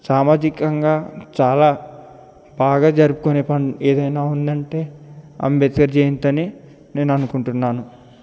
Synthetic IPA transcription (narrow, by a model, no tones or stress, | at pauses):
saːmaːd͡ʒikɐŋɡaːt͡ʃaːlaː | baːɡaːd͡ʒɐɾupukoneːpɐɳɖeːd̪ɐjnaːund̪ɐɳʈe̞ːɐ̰mbet̪ɡɐɾd͡ʒeːjint̪ɐni | ne̞ːnɐnukuɳʈunːaːnu